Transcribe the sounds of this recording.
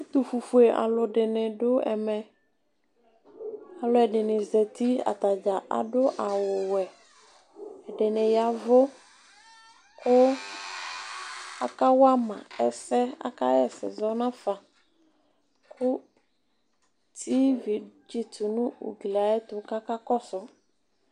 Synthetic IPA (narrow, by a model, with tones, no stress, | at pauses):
t̪ʊ˨fu˨fu˨e˨ʔa̰˨lʊ˨ɖɪ˨nɪ̃˨ɖʊ˦ɛ̰˨mɛ˨ | a˨lʊ˦ɛ˨ɖɪ˨nɪ˨zɛ˨t̪i˦a̰˨t̪a˨d͡ʒa˨ʔa̰˨ɖʊ˦ʔa˨wʊ˨wɛ˨ | ɛ˨ɖɪ˨nɪ̃˨ja˨vʊ˦ | kʊ˦ | a̰˦ka˦wa˦mã̰˨ɛ˨sɛ˦a̰˦ka̰˦jɛ˨sɪ̰˨zɔ˦nã˦fa˨ | kʰʊ˦ | t̪ʰi˦vi˨d͡ʒi˦tʊ˨nũ˦ṵ˨ɡli˨a˨ɛ˦t̪ʊ˨ka˦ka˦kɔ˦sʊ˨